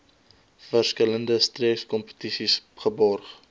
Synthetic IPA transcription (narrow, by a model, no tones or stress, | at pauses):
fərskələndəstriəkskɔmpə̥tisisχəbɔrχ